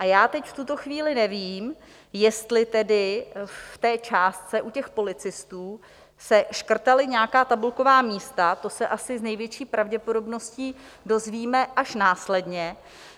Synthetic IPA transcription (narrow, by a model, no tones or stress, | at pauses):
ʔajaːt̪ɛcft̪ut̪o̞xviːlɪnɛviːm | jɛst̪lɪt̪ɛdɪft̪ɛːt͡ʃaːst̪̚t͡sɛʔucɛxpo̞lɪt͡sɪst̪uː | sɛʃkr̩t̪alɪɲɛakaːt̪abulko̞vaːmiːst̪at̪o̞sɛʔasɪznɛjvjɛt͡ʃiːpɾʔavɟɛpo̞do̞bno̞sciː | do̞zviːmɛʔaʃnaːslɛdɲɛ